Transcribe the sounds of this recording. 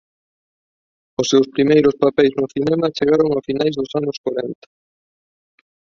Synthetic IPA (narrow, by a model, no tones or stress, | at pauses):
ʊsːewspɾimejɾʊspapɛjznʊθinɛmɐt͡ʃeɣaɾoŋafinajzðʊsanʊskwaɾɛnt̪ɐ̥